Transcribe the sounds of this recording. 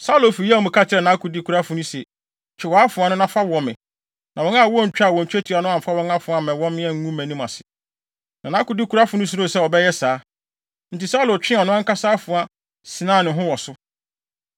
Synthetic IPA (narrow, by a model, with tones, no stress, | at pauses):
sa˦u˦lo˨fi˨jɔ˨mʊ̃˨kʰa˦t͡ɕʰɪ˦ɾɛ˨nã˨˦ku˨di˦kʰu˨ɾa˦fʊ˨nʊ̃˦sɛ˨ | t͡ɕʰɛ˨wɔ˨a˦fʊ̃˨a˨nʊ̃˦nã˦fa˦wɔ̃˨mɪ̰̃˨ | nã˨wɔ̃˦na˦˨wɔ̃˦˨ɲ̩˨t͡ɕᶣa˨wɔ̃˨ɲ̩˨t͡ɕᶣæ˦tʰi˨˦a˨nʊ̃˦ã˨m̩˨fa˦wɔ̃˦ŋa˦fʊ̃˨a˨mɛ̃˨wɔ̃˦mɪ̃˦ɛ̃˦ŋ̩˦ŋũ˦mæ̃˨nĩ˦mã̰˨sɪ̥˨ | nã˨nã˦kʊ˨di˦kʰu˨ɾa˦fʊ˨nʊ̃˦s̬u˦ɾʊ̃˦˨sɛ˦˨ɔ˨bɛ˦jɛ˦saː˦ | n̩˨ti˨sa˦lo˨t͡ɕᶣɪ̃˦˨nʊ̃˦ã˦ŋ˦ka˦saː˦fʊ̃˨a˨ | sɪ̃˨nãː˦˨nɪ̃˨ɦʊ̃˦wɔ˨sʊ˦